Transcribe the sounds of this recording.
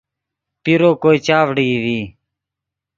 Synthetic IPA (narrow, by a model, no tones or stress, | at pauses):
piɾoːkoːiːt͡ʃaːʋɽiːʋiː